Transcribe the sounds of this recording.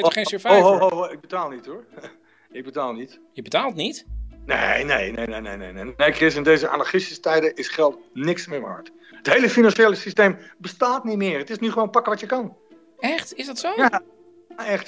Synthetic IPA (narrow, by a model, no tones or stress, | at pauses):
enfoɦowɦoɦoɪk̚bətaːlˠnitu | ɪk̚bətaːlˠnit | jəbətaːlˠtnitnḛnḛjnejnenḛjnḛjnḛnejkrɪsɪndeːzəʔa̰naɹχɪstistɛjdəʔɪsχɛlˠtnɪksmɪʋa̰ɹt | əthejləfinanʃeːləsisteːmbəstaːtnitmɪərətɪsnyχəʋoːnpakəʋɔtjəkan | ɛxtɪsdɔtsoja | ɛxt